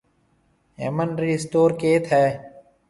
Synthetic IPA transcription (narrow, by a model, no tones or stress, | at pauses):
ɦḛːmənɾiːɪsʈ̪oːɾkeːt̪ʰɦɛː